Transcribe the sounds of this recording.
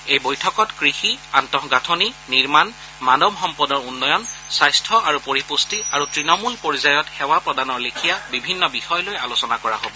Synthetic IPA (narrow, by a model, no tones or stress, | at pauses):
ejbojtʰɔkɔtkɹixiantɔɦɡatʰoniniɹman | manɔbxɔmpɔdɔɹunːɔjɔnsajstʰɔʔaɹupoɹipustiaɹutɹinɔmulpoɹizajɔtxɛwapɹɔdanɔɹlekʰijabibʱinːɔbixɔjlojalusɔnakɔɹa̰ɦobɔ